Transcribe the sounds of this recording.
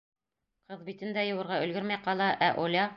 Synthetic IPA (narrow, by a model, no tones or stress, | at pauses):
qɤðbit̪ɘ̆nd̪æjɤ̆wɤ̆ɾʁɑɵ̆lɡɵɾmæjqɑlˠɑʔæʔolʲɑ